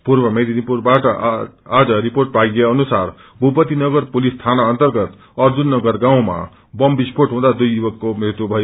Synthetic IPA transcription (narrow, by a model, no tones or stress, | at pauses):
puɾbʌmed̪inipuɾbaʈʌad͡zʌɾipoɾʈ̚paɡeʌnusaɾ | bʱupʌt̪inʌɡʌɾpulist̪ʰanaːnt̪ʌɾɡʌt̪ | ʌɾd͡ʒunːʌɡʌɾɡãw̃ma̰ | bʌmbispoɾʈɦũd̪ad̪ujːubʌkːomeɦt̪ubʱʌjo